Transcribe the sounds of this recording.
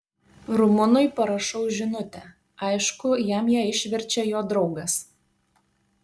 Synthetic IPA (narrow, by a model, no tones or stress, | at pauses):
ɾʊmʊnʊɪpɐɾɐʃɔʊʒʲɪnʊt̪ʲɛ | ɐɪʃkʊjæmjæːɪʃʲʋʲɛɾʲt͡ʃʲɛjoːd̪ɾɒʊɡɐs